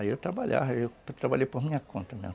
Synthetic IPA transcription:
iewt̪ɾabaʎa̰vɐewpt̪ɾabaʎejpoɦmĩɲɐkõnt̪ɐmĩɲɐ

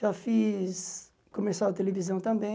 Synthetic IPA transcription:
ʒafis | kõmesawɐt̪elevizɐ̃w̃t̪ɐ̃mbẽ

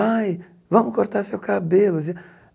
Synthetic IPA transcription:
aj | vɐ̃mʊkoɾt̪aɾʊsewkabelʊzi

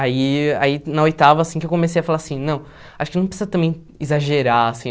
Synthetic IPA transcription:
aia̰inɐojt̪avɐːsĩkɪewkõmes̬ejɐfalaɾasĩnɐ̃w̃ | aʃʊkɪnɐ̃w̃pɾesizɐt̪ɐ̃mbẽj̃ | izaʒeɾaasĩ

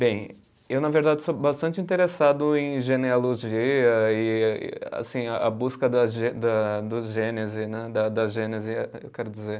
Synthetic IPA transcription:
bẽj̃ | ewnɐveɾd̪ad͡ʒɪsobast̪ɐ̃nt͡ʃɪĩnt̪eɾesad̪ʊẽj̃ʒenealoʒiɐɪ̰a̰sĩɐʔɐbuskɐd̪ɐʒed̪ɐd̪ʊʒẽnezɪnɛd̪ɐd̪ɐʒẽnezɪɛewkɛɾʊd͡ʒizeɾ

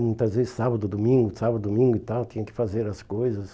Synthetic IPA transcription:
mũj̃t̪ɐzvezɪsabɐd̪ʊd̪omĩŋɡʊsabɐd̪ʊd̪omĩŋɡʊit̪awt̪ĩɲɐ̃kɪ̥fazeɾɐskojzɐs

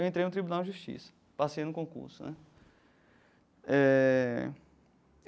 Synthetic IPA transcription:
wẽnt̪ɾejnʊt̪ɾibunawd͡ʒɪʒuʃt͡ʃḭsɐ̥ | pasejnʊkõkṵɾsʊnɛ | ɛ

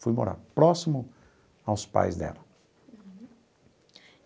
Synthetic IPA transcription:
fujmo̰ɾa̰ɾpɾɔsimʊ | awspa̰jzd̪ɛ̰lɐ

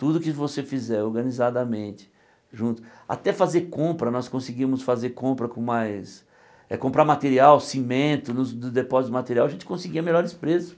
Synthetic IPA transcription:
t̪ud̪ʊkɪvosefizɛɾoɾɡɐ̃nizad̪ɐmẽnt͡ʃ̪ɪ̥ | ʒũt̪ʊ̥a̰t̪ɛfazeɾkõpɾɐnɔskõsiɡimʊsfazeɾkõpɾɐkõmajs | ɛ̰kõmpɾaɾmat̪eɾiawsimẽnt̪ʊnʊd̪ʊd̪epɔzit̪ʊmat̪eɾiawɐʒẽnt͡ʃɪ̥kõsɪɡiɐmeʎɔɾɪspɾesʊ̥

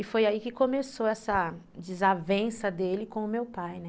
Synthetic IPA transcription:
ɪfojaikɪkõmesoɛsɐ | d͡ʒɪzavẽsɐd̪elɪkõʊmewpajnɛ

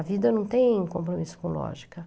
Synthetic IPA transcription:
ɐvid̪ɐnɐ̃w̃t̪ẽj̃kõmpɾomisʊ̥kõlɔ̰ʒikɐ

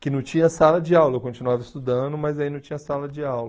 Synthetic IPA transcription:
kɪnɐ̃w̃t͡ʃĩɲɐsalɐd͡ʒɪawlɐekõt͡ʃinuavɐɪst̪ud̪ɐ̃d̪ʊmɐzd̪ainɐ̃w̃t͡ʃĩɲɐsalɐd͡ʒɪawlɐ

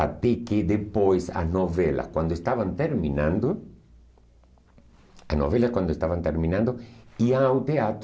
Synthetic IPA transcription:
a̰t̪eked̪epojsa̰znoβela̰skwãnd̪oest̪aβant̪eɾmĩnãnd̪ʊ | azno̰βelaskwãnd̪oest̪aβant̪eɾmĩnãnd̪ʊiawt̪eat̪

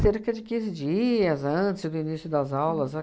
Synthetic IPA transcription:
seɾkɐd͡ʒɪkĩzɪd͡ʒiɐzɐ̃t͡ʃɪzd̪ʊinisjʊd̪ɐzawlɐzɐ

